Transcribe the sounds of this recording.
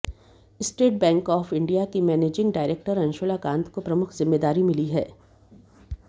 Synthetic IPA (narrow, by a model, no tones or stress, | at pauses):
ɪsʈeːʈ̚bɛ̃ːŋkɔːfɪ̃ɳɖijakimɛːneːd͡ʒɪ̃ŋɡɖaːɪɾeːk̚ʈəɾɐ̃nʃoːlakãːnt̪ʰkopɾɐmʊkʰzɪmːeːd̪aːɾimɪliɦɛ̰ː